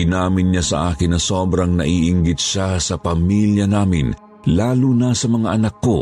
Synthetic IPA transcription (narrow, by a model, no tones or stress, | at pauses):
ɪnaːmɪnɲasɐ̰ʔaːkɪnːɐsoːbɾɐŋnɐ̰ʔiːʔɪŋɡɪt̪̚ʃasɐpɐmiljɐnaːmɪn | laːlunɐsɐmɐŋaʔɐnɐkːo